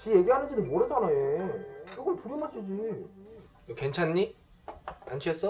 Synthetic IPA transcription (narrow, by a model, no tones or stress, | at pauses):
t͡ɕije̞ɡiɦanɯnd͡ʑinɯnmwʌɾɦed͡ʑanaekʰɯɡʌɭtuɾɯmaɕ͈ʰid͡ʑi | oke̞nt͡ɕʰanːi | ant͡ɕʰies͈ʌ